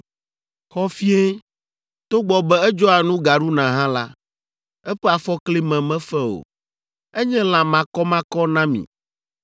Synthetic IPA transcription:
xɔ˦fi˦e˦ | t̪o˦ɡ͡bɔ˨bɛ˦ɛ˦d͡ʒɔ˦a˨nũ˦ɡa˨ɖu˦nã˨ɦã˦la˦ | ɛ˦ɸɛ˦a˨fɔ˦kli˦mɛ̃˨mɛ̃˦fɛ˦o̰˨ | ɛ˦ɲɛ̃˦lã˨mã˨kɔ˦mã˦kɔ˦nã˦mḭ̃˨

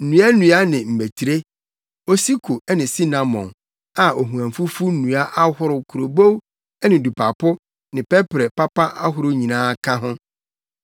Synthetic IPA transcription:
n̩˨nũ˨˦a˦nũ˨˦a˦nɪ̃˨m̩˨me˨tʰi˨ɾe˦ | o˦si˦kʰo˨ɛ˦nɪ̃˨si˦nã˨mɔ̰̃˨n | a˨o˨ɦũ˨æ̃˨ɱ˨fu˦fu˦nũ˨a˦ʔa˦hʊ˦ɾʊ˨kʰʊ˨ɾo˨bo˦w | ɛ˦nɪ̃˨du˨pʰa˨pʰʊ˦ | nɪ̃˨pɛ˦pɾɛ˨pa˦pa˦ʔa˦ɦʊ˦ɾʊ˦ɲĩ˨nãː˦kʰã˦ɦʊ̃˦

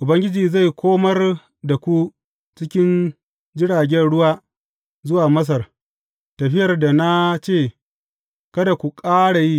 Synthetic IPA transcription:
ʔʊ˨bɐ˦ŋɡʲɪ˦d͡ʒiː˨za˦˨jkʷʰoː˦mɐ˦r | da˨kʷu˦ | t͡ʃɪ˦kʲɪ˦n | d͡ʒɪ˦ɽaː˨ɡʲɛ˦nɽʊ˦waː˦ | zʊ˦waː˨mɐ˦s̬ɐ˨r | tɐ˨ɸɪ˦jɐ˨rda˨na˦t͡ʃeː˦˨ | kɐ˦da˨kʷu˨kʼaː˦ɽa˨ji˦

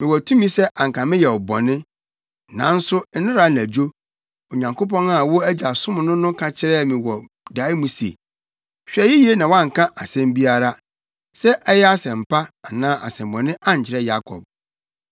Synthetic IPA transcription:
mɪ̃˨wɔ˨tʰũ˦mĩ˦sɛ˦ʔa˨ŋ̩˨kã˨mɪ̃˦jɛ˨ɔ˨bɔ̰̃˨nɪ̃˦ | nã̰˨˦n̩˦sʊ˦n̩˦nɪ̃˦ɾa˨˦n˨æ˨d͡ʑᶣo˦ | o˨ɲã˨ŋkʰo˦p̬ʰɔ̃˦na˨wɔ˦æ˦d͡ʑa˨sʊ̃˦mʊ̃˨nʊ̃˦nʊ̃˦kʰa˨t͡ɕʰɪ˦ɾɛ˦˨mɪ̃˨wɔ˨ | da˨˦i˦mũ˦sḛ˨ | ɕᶣɛ˨ji˦ji˦e˦nã˨wa˦˨ŋ̩˨kʰã˦ʔa˨sɛ̃˦m˦bi˦a˦ɾa˦ | sɛ˦ʔɛ˦jɛ˦a˦sɛ̃˨m̩˨pʰa˦a˨nãː˦ʔa̰˨sɛ̃˨mbɔ̃˨nɪ̃˦ʔa˦ɲ˨t͡ɕʰɪ˨ɾɛ˦ja˦kʰɔ̰˨b̚

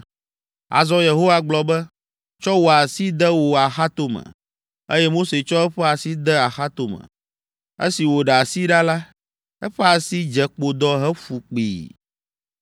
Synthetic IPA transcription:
a̰˨zɔ˦je˨ɦo˦wa˦ɡ͡blɔ˦bɛ˦ | t͡ʃɔ˦wo˨a˨si˦d̪ɛ˦wo˨a˨xa˦t̪o˨mə̰̃˨ | e˦jɛ˦mo˦se˨t͡ʃɔ˦ɛ˦ɸɛ˦a˨si˦d̪ɛ˦a˨xa˦t̪o˨mə̰̃˨ | ḛ˦si˨wo˨ɖɛ˨a˨si˦ɖa˦la˦ | ɛ˦ɸɛ˦a˨si˦d͡ʒɛ˨k͡po˨d̪ɔ˦ɦɛ˦fu˨k͡pḭː˨

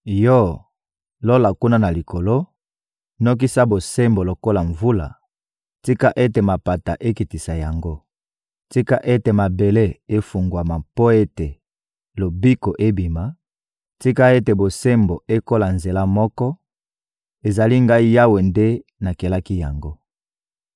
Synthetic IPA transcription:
jɔ˦˨ | lo˦la˨ku˦na˦na˨li˨ko˨lo˦ | no˦k̬i˦sa˦bo˨se˦mbo˨lo˨ko˦la˨ɱvu˦la̰˨ | ti˦ka˦ʔe˦te˨ma˨pa˨ta̰˨ʔe˦ki˨ti˨sa˨ja˨ŋɡo˦ | ti˦ka˦ʔe˦te˨ma˨be˨le˦e˦fu˨ŋɡwa˨ma˨po˦e˦te˨ | lo˨bi˦ko˨ʔe˦bi˨ma˨ | ti˦ka˦e˦te˨bo˨se˦mbo˨e˦ko˦la˨nze˨la˦mɔ˦kɔ˦ | e˨za˨li˦ŋɡa˦i˦ja˦we˨nde˦na˨ke˨la˦ki˦ja˨ŋɡo˦

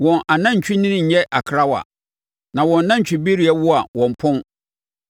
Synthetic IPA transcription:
wɔ̃˨nʔa˨nã˦ɲ̩˨t͡ɕʰᶣi˦nɪ̃˦nɪ̃˦ɲ̩˨˦ɲɛ˦ʔa˨kʰɾa˦wa̰˨ | nã˨wɔ̃˨nː˨ã˦ɲ̩˨t͡ɕᶣi˨be˦ɾi˨ɛ˦wʊ˦a˨wɔ̃˨m˨pʰʊ̃˦n

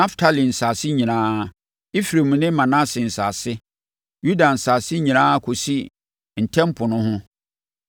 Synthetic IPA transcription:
nã˦ftʰa˨lĩ˨n̩˨sa˨sɪ˦ɲĩ˨nãː˦˨ | i˦fɾe˨mũ˨nɪ̃˦mã˨nã˦sɪ˨n̩˨saː˨sɪ˦ | ju˦da˨n̩˨sa˨sɪ˦ɲĩ˨nãː˦kʰo˨si˦ | n̩˨tʰɛ̃˦m˦pʰʊ˨nʊ̃˦hʊ̃˦

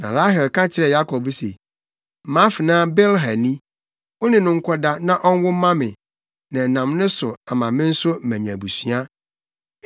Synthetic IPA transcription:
nã̰˨ɾa˦ɦɛ˨lkʰã˦t͡ɕʰɪ˨ɾɛ˨ja˦kʰɔ˨bsḛ˨ | mã˦fɪ˨nãː˦bɛ˦lɦa˨nĩ˦ | ɔ˦nɪ̃˨nʊ̃˦ŋ̩˦kʷʰɔ˦da˦nã˦ʔɔ˦n˦wʊ˦mã˦mɪ̃˨ | nã˨nã˨mnʊ̃˦sʊ˨a˨mã˨mɪ̃˦n̩˦sʊ˦m̩˨mæ̃˨ɲã˨bu˨sɥa˦

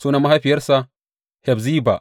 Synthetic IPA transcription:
suː˦na˦ma˦ɦa˦ɸi˨jɐ˦rsa˦ | hɛ˨bzi˦ba̰˨

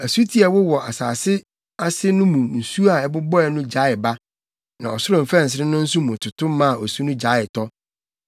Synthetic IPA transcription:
æ˨su˦tʰi˦a˨wʊ˦wɔ˨ʔa˨saː˨sɪ˦ | a˦sɪ˦nʊ̃˦mũ˨n̩˨su˦a˨ɛ˨bʊ˦bɔ˦ɛ˨nʊ̃˦d͡ʑa˨˦ɪ˨ba˦ | nã˨ɔ˨sʊ˦ɾʊ̃˨m̩˨fɛ̃˦˨n̩˨s̬ɪ˨ɾɪ̃˦nʊ̃˦n̩˦su˦mũ˨tʰʊ˨tʰʊ̃˦m˦mã˦a˨ɔ˨su˦nʊ̃˦d͡ʑa˨˦ɪ˨tʰɔ˦

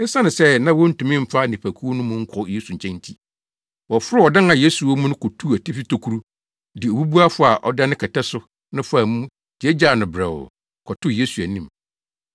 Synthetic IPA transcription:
ɪ˦sã˦nɪ̃˨sɛ˦nã˦wɔ˦n̩˦tũ˨mɪ̃˦m̩˦fa˦˨nĩ˨pʰæ˨kʰu˦nʊ̃˦mʊ̃˦ŋ̩˦kʰɔ˨˦je˦su˨ɲ̩˨t͡ɕʰɛ̃˦n˦tʰi˦ | wɔ˨fʊ˦ɾɪ˦ɔ˨dã˦nã˨je˦su˨wo˦mũ˦nʊ̃˦kɔ˨tʰu˦æ˨ti˦fi˦tʰo˨kʰu˦ɾu˦ | dɪ˨o˨bu˦bu˦a˦fʊ˦a˨ʔɔ̰˨da˦nɪ̃˦kʰɛ˨tʰɛ˦sʊ˦ | nʊ̃˦fa˨mũ˦ | d̥ɪ˨ɛ˦d͡ʑaː˦˨nʊ̃˨bɾɛ̰˨w̰ | kʰɔ˨tʰʊ˦je˦su˨æ˨nĩ˨m

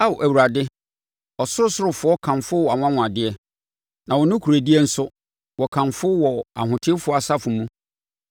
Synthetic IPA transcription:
a˦wʔæ˨wu˨ɾa˨dɪ˦ | ɔ˨sʊ˦ɾʊ˦sʊ˦ɾʊ˨fʊ˨˦ɔ˦kʰã˨nfʊ˦wɔ˨a˨ŋ̃ʷ˦ã˦ŋʊ̃˨a˨dɪ˦ɛ˦ | nã˨wɔ˨nʊ̃˦kʰu˨ɾæ˨di˦ɛ˦n̩˦sʊ˦ | wɔ˨kʰã˨nfʊ˦wɔ˨a̰˨hʊ̃˨tʰɪ˦fʊ˦ɔ˦a˨sa˦fʊ˨mũ˦

